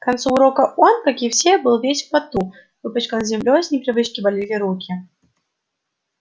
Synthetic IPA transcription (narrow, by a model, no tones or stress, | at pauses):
kant̪suːɾokɐʔonkakʲifsʲebɨlˠvʲesʲfpat̪u | vɨpət͡ɕkənzʲɪmlʲosʲnʲɪpɾʲɪvɨt͡ɕkʲɪbalʲilʲiɾukʲi